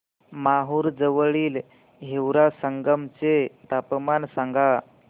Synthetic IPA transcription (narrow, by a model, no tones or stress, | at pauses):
maɦuːɾd͡zəʋəɭiːl | ɦewɾasəŋɡəmt͡set̪apmansaŋɡʱa